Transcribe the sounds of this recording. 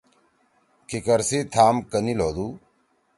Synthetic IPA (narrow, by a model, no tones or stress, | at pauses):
kʰikəɾsiːt̪ʰaːmkəniloːd̪uː